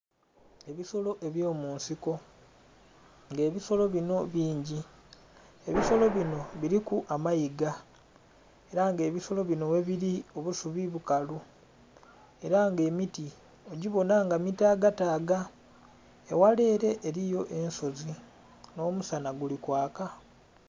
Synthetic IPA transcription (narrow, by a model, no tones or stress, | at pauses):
e̞βiso̞lo̞ʔe̞βjo̞ːmuːnsiko̞ | ŋɡe̞ːβiso̞lo̞βino̞βiːɲɟi | e̞βiso̞lo̞βino̞βiɾikuʔamajiɡa | e̞ɾaŋɡe̞ːβiso̞lo̞βino̞weβiɾio̞βusuβiβukalu | e̞ɾaŋɡe̞ːmiti | o̞ɟiβo̞naŋɡamitaːɡataːɡa | ḛwale̞ːɾe̞ʔːɾijo̞ʔe̞nso̞zi | no̞ːmusanaɡulikwaːka